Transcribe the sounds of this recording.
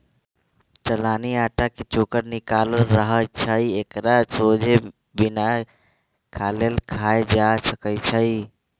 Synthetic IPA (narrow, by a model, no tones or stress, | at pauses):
t͡ʃəlaniaʈaket͡ʃokəɾnikaləɾəɦət͡ʃʰəiekɾasod͡ʒe | bina | kʰalelkʰajed͡ʒasəkət͡ʃʰəj